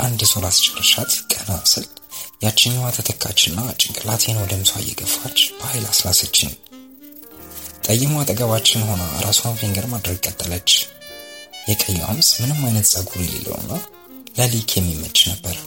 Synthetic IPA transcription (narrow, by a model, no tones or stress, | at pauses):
ʔand̪soɾast͡ʃɪɾəʃat̪kʼənəwasɨljat͡ʃːɪɲːwat̪ʰət̪ʰəkʰːat͡ʃːɪnːat͡ʃʼːɪŋkʼɨlat̪ʰenwɔd̪əmɨsa̰jːɛ̰ɡəfat͡ʃːb̥əhajlaslasət͡ʃːɪ̰n | t̪ʼəjːɪmoat̪ʼəɡəβat͡ʃːɪnho̞naɾʔasuamfiŋɡəɾmad̪ɾəɡ̚kʼət̪ʼːələt͡ʃː | jɛkʼəjːɛwʔa̰msmɨnɨmːajnət̪sʼaɡudɛlḛlːə̰w̰nːa | ləlikʰjɛmːimːət͡ʃʼːnəbːəɾ